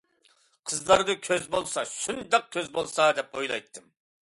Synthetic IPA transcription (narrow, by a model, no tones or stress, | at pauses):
qʰəzlˠɑɾd̪ɨkʲʰøzbolˠsɑʃund̪ɑq̚kʲʰøzbolˠsɑd̪ɛpojlˠɑ̰jt̪ʰːɨm